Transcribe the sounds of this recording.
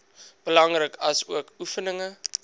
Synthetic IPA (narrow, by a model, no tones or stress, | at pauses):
b̥əlɐŋrəkɐsuəkufənəŋə